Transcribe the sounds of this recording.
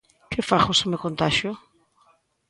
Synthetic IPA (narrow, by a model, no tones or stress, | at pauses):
kɪfaxosɪmewkont̪aʃjʊ